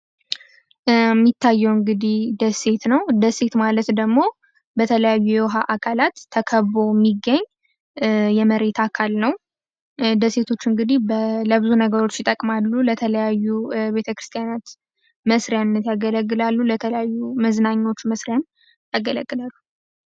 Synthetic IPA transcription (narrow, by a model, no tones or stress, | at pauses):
mːit̪ʰːajːɛwɨŋɡɨd̪ihd̪əse̞t̪nəwd̪əse̞t̪malət̪d̪əɡmo̞ | bət̪ʰələjajːujɛwɦaʔakʰalat̪ʰːəkʰəβbo̞mːiɡːəɲː | jɛməɾe̞t̪ʰakʰalnəw | d̪əse̞t̪ʰo̞t͡ʃːɨŋɡɨd̪ihbləbɨzunəɡəɾo̞t͡ʃːjɪt̪ʼəkʼmalːulət̪ʰələjajːube̞t̪ʰəkɾɨst̪ʰʼijanat̪ | məsɾejannːət̪jaɡələɡːɨlalːulət̪ʰələjajːuməznaɲːo̞t͡ʃːməsɾjan | jaɡələɡːɨlalːu